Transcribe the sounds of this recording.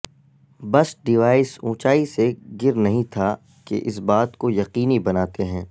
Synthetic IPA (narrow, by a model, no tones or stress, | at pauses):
bɐsɖɪʋaːɪsũːt͡ʃaːiseɡɪɾnɐɦĩt̪ʰa | kḛʔɪsbaːt̪kojɐqiːnibɐnaːt̪eɦɛ̃ː